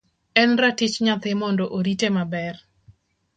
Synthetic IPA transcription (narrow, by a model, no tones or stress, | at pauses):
ɛnratɪt͡ʃɲat̪ɪmɔndɔʔoɾitemabɛr